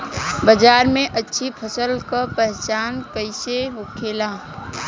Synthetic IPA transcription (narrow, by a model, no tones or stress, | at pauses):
bəd͡ʒaːɾmẽʔətːʃʰipʰəsəlkapɛɦt͡ʃaːnpəɪseɦokʰeːlaː